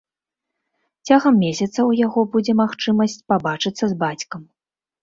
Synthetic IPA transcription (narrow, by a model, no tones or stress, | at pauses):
t͡sʲaɣɐmːʲesʲɐt̪sɐwjaɣɔbud͡zʲɛmaxt͡ʂɨmɐsʲt͡sʲpabat͡ʂɨt̪sːɐzbat͡sʲkɐm